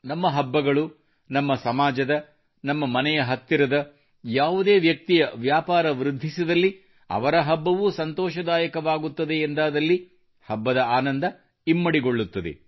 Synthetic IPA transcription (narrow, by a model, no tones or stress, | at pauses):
nɐmːɐɦɐbːɐɡɐɭu | nɐmːɐsɐmaːd͡ʒɐd̪ɐ | nɐmːɐmɐnɛjɐɦɐt̪ːiɾɐd̪ɐ | jaːʋud̪e̞ːʋjɐk̚t̪ijɐʋjaːpaːɾɐʋɾud̪ʱːisid̪ɐlːi | ɐ̰ʋɐɾɐɦɐbːɐʋusɐnt̪ɔːʃɐd̪aːjɐkɐʋaːɡut̪ːɐd̪eːnd̪aːd̪ɐlːi | hɐbːɐd̪ɐaːnɐnd̪ɐ | imːɐɽiɡoɭːut̪ːɐd̪ḛ